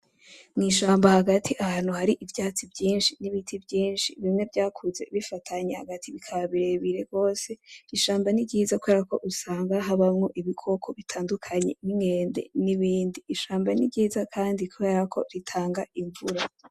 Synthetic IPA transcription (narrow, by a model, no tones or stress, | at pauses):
ŋiːʃaːmbahaɡatʰiʔaɦaːn̥uhaɾiʔivjaːt͡sibɟiːnʃiniβitʰibjiːnʃiβimŋe̞vɟaːkʰuze̞βifatʰaɲehaɡatʰiβikʰaaβiɾeβiɾe̞ɡo̞ːse̞iʃaːmbaniɟiːzakuwe̞ːɾako̞̰ʔusaːŋɡaɦaβamŋo̞ʔiβikʰo̞kʰo̞βitʰaːndukʰaɲe̞̰niŋɡe̞ːndḛniβiːndiːʃaːmbaniɟiːzakʰaːndikue̞ɾakʰo̞ɾitʰaːŋɡaiɱvuɾa